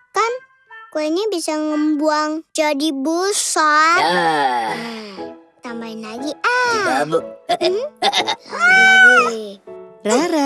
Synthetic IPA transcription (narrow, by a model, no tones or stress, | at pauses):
kan | kuainibisaŋəmbuaŋd͡ʒadibusa | t̪ambainlaɡiʔa | m̩ | ɾaɾa